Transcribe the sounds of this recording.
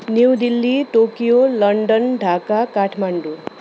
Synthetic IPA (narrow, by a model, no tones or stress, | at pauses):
newd̪ilːiʈokijolʌɳɖʌnɖʱakakaʈʰmaɳɖu